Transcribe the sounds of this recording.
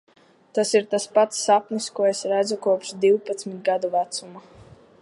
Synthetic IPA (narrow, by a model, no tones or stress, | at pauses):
t̪asiɾt̪aspat̪sːapnʲiskuɔesɾæd̪zukuɔpʃd̪iwpat̪smit̪̚ɡad̪uvæt̪suma